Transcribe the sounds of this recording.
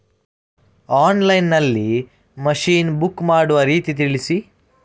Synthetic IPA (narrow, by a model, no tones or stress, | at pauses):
aːnlɐjnːɐlːi | mɐʃiːnbukːmaːɽuʋɐɾiːt̪it̪̬iɭisi